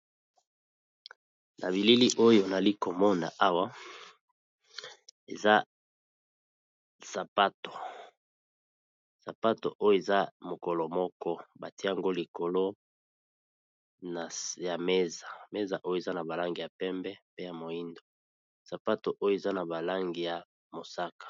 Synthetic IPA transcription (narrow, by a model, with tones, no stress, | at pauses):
nʔa̰˨βi˨li˦li˦ʔo˦jo˨na˨li˦ko˨mɔ˦na̰˨ʔa˦wa˦ | ḛ˨za˦ | sa˨pa˦to̥˨ | sa˨pa˦to̰˨ʔo˦jo˦˨e˨za˦mo˨ko˨lo˨mɔ˦kɔ˦ba˨ti˦˨a˨ŋɡo˦li˨ko˨lo˦ | na˨ja˨me˦za˨me˦za˨ʔo˦jo˦e˨za˦na˨ba˨la˦ŋɡi˨ja˨pɛ˦mbɛ˦pe˦ja˨mo˨i˦ndo˨ | sa˨pa˦to˨ʔo˦jo˨e˨za˦na˨ba˨la˦ŋɡi˨ja˨ | mo˨sa˦kḁ˨